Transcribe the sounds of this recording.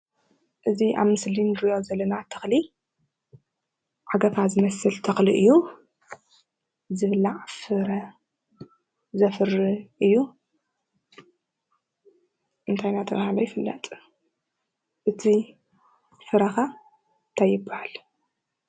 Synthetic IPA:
ʔɨziʔa̰βmɨslinɨɾijo̞zɐlːɐnat̪ʰːɐ̥xli | ʕaɡɐfazɨmɐsɨlt̪ʰɐxliʔɨjːu | zɨβɨlːaʕfɨɾɐ | zɐfɨriʔɨjːu | ʔɨnt̪ʰajnat̪ʰɐβahalojɪfɨlːɐ̰t̪ʼ | ʔɨt̪ʰi | fɨɾɐxa | nt̪ʰajːɪbːahal

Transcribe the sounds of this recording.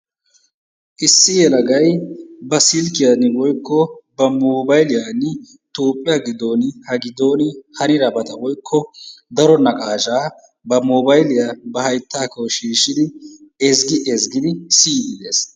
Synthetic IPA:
ʔɪsːɪjɛlɐɡɐjbɐsɪlkɪjɐnɪwɔjkːɔbɐmoːbɐjlɪjaːnːɪ | t̪oːpʼːɪjɐɡɪd̪o̞ːnɪhɐɡɪd̪o̞ːnɪhɐnɪɾɐbɐt̪ɐwɔjkʰːɔd̪ɐɾɔnɐkʼaːʒaː | bɐmoːbɐjlɪjabɐɦɐjt̪ːaːkɔwʃiːʃɪd̪ɪɛzɡɪʔɛzɡɪd̪ɪsiːd̪ɪd̪eːs

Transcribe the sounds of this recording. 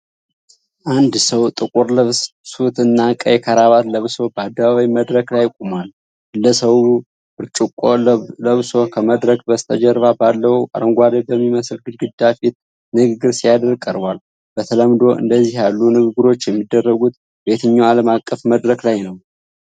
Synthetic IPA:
ʔand̪səwt̪ʼɨkʼuɾlɨβssut̪ɨnːakʼəjɛkʰəɾaβat̪ləβso̞bəad̪ːəβaβaiməd̪ɾəklajkʼumal | ləsəw | ɨɾt͡ʃʼukʼoləβso̞kʰəməd̪ɾəkbəst̪ʰəd͡ʒɛɾβabalːəhuʔa̰ɾəŋɡʷad̪əbəmːiməslɡɨd̪ɡɨd̪ːafit̪̚ | nɨɡɨɡɨɾsijad̪əɾkʼəɾbwal | b̥ət̪ʰələmd̪o̞ʔɨ̰nd̪əzːiɦjalːunɨɡɨɡɨɾo̞t͡ʃːjɛmːid̪ːərːəɡut̪ | be̞t̪ʰɨɲːawaləmakʼːəfməd̪ɾəklajnəw

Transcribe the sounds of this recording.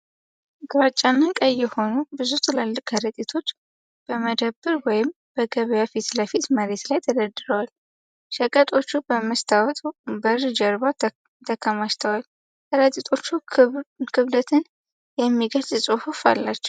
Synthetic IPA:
ɡɨβat͡ʃʼːanːəkʼəjːɛho̞nubɨzut̪ʰɨləlːɨkʼəɾət̪ʼit̪ʰo̞t͡ʃː | b̥əməd̪əbːɨɾwɔjɪm | b̥əɡəβəjafit̪ləfit̪məɾe̞t̪lajt̪ʰəd̪əd̪ːɨɾəwal | ʃəkʼət̪ʼo̞t͡ʃːubəməst̪ʰawɔt̪ʼbərd͡ʒəɾba | t̪ʰəkʰːəmaʃt̪ʰəwal | həɾət̪ʼit̪ʰʼo̞t͡ʃːu | kʰɨβd̪ət̪ʰɨn | jɛmːiɡəlzɨsʼɨhufa̰lːat͡ʃːɛ̥w

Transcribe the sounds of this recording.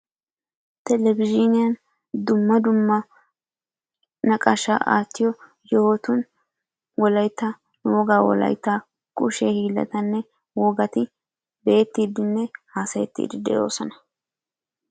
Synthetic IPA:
t̪ɛlɛvɪd͡ʒɪnɪjɐn | d̪ʊmːɐd̪ʊmːɐ | nɐkʼɐʃa̰ʔa̰ːt̪ːɪjɔ | jɔhoːt̪ʊn | wɔlɐjt̪ːɐ | nuwɔɡaːwɔ̰lɐ̰jt̪ːa | kʼʊʃɛhiːlːɐ̰t̪ɐnːɛ | wɔɡɐt̪ɪ | be̞ːt̪ːiːd̪ɪnːɛhaːsɐjɛt̪ːḭːd̪ɪd̪ɛ̰jo̞ːsɔnɐ̥

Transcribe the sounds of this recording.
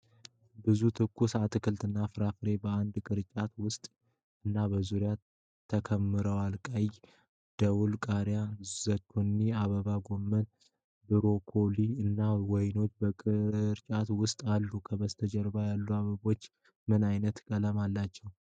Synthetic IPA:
bɨzut̪ʰɨkʰːusat̪ʰɨkʰɨlt̪ɨnːafɨɾafɾe̞bəand̪kʼɨɾt͡ʃʼat̪wʊst̪ʼ | ɨnːabəzuɾja | t̪ʰːəkʰəmːɨɾəwalkʼaj | d̪̥əwulkʼaɾjazəkʰːunːiaβəβaɡo̞mːən | bɨɾo̞kʰo̞liɨnːawɔjno̞t͡ʃːbəkʼɨɾt͡ʃʼat̪wʊst̪ʼalːukʰəβəst̪ʰəd͡ʒɛɾbajalːuaβəβo̞t͡ʃː | mɨnajnət̪kʼələmalːat͡ʃːɛw

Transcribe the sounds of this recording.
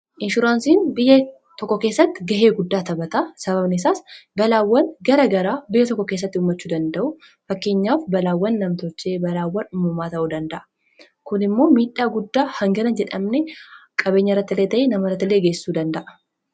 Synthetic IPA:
ʔɪnʃʊɾaːnsiːnbɪjːɐ | t̪ɔkːɔke̞ːsːɐt̪ːɪɡɐɦeːɡʊd̪ːaːt̪ɐbɐt̪aːsɐβɐbnɛsaːsbɐlaːwːɐnɡɐɾɐɡɐɾaːbɪjːɐt̪ɔkːɔkeːs̬ːɐt̪ːɪʊːmːɐt͡ʃːuːd̪ɐnd̪ɐʔʊ | fɐkːe̞ːɲːaːfbɐlaːwːɐnːɐmt̪ɔt͡ʃːe̞ːbɐlaːwːɐnʊmumaːt̪ɐʔuːd̪ɐnd̪ɐʔɐ̥ | kʊnɪmːo̞ːmiːᶑːaːɡʊd̪ːaːhɐŋɡɐɾɐnd͡ʒɛᶑɐmnɛkʼɐbe̞ːɲːɐɪrːɐt̪ːɪleːt̪ɐʔenɐmɐɪrɐt̪ːɪlːeːɡeːsɪ̥suːd̪ɐnd̪ɐʔɐ

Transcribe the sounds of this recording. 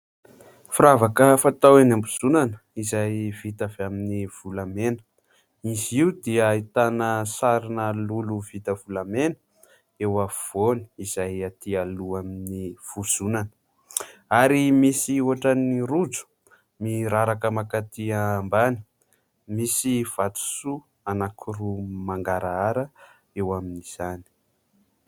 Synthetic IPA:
fuɾavakəfat̪awenambuz̥unanə | izajv̥it̪aveaminiv̥ulamenə̥ | iziud̪iəit̪anəsaɾinəluluv̥it̪əvulamenə | ewav̥oni̥iz̥ajat̪ialuaminiv̥uz̥unanə | aɾimisiuaʈ͡ʂaniɾud͡zu̥ | miɾaɾakəmakat̪iambani̥ | misiv̥at̪u̥su | anakʰirumaŋɡaɾaaɾə | ewaminiz̥ani̥

